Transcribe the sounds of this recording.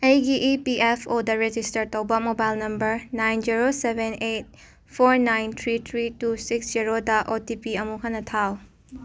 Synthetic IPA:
ejɡiʔipiʔepʰodɐɾed͡ʒistɐɾtɐwbɐmobajlnɐmbɐɾnajnd͡ʒiɾosebʱenet̚ | pʰoɾnajnt̪ʰɾit̪ʰɾitusiksd͡ʒiɾodɐʔotipiɐmuɦɐnːɐtʰaw

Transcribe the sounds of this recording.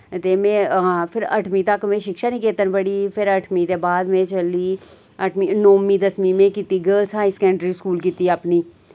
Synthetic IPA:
t̪eːmẽːãːpʰɪɾə̰ʈʰmĩːt̪əkmẽːʃɪkʃaːnĩːkeːt̪ənbəɽiːpʰɪɾəʈʰmĩːt̪eːbaːd̪mẽːt͡ʃəliː | əʈʰminoːmiːd̪əsmiːmẽːkit̪iːɡəːlsɦaːisə̥kɛ̃ːɳɖɾiːskuːlkiːt̪iːəpniː

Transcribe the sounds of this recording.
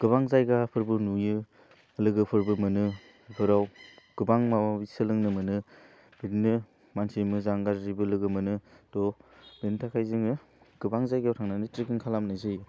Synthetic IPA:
ɡ̥ɯbaŋzajɡapʰɯɾbɯnujɯ | lɯɡɯpʰɯɾbɯmɯnɯ | bʰɯɾawɡ̥ɯbaŋmawabisɯlɯŋnɯmɯnɯ | bidnɯ | mansimɯzaŋɡaɾɾibɯlɯɡɯmɯnɯd̥ɔbentʰakʰajziŋɯ | ɡ̥ɯbaŋzajɡatʰaŋnanɯtɾikiŋkʰalamnajzɯj

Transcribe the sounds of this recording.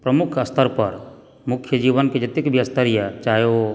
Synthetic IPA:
pɾəmukʰəst̪ʰəɾpəɾ | mukʰːjəd͡ʒiʋənked͡ʒət̪ikbʱiəst̪əɾijət͡ʃajo

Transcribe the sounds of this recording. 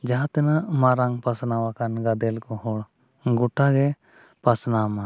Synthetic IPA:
d͡ʒaɦat̪ɛnamaɾaŋpasnawakanɡad̪ɛlkɔɦɔɽ | ɡuʈaɡɛ | pasnama

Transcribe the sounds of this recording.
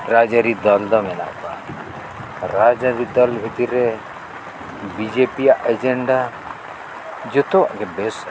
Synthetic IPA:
ɾaːd͡ʒaɾid̪ɐld̪amena̰pa̰ | ɾaːd͡ʒaɾid̪ɐlbʱit̪iɾe | bid͡ʒepijaʔed͡ʒeɳɖa | d͡ʒɪt̪okebes

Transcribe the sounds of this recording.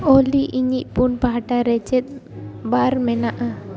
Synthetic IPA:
oliʔiɲiʔpunpaɦaʈaɾɛt͡ʃɛt̪̚ˀbaɾmɛnaʔa

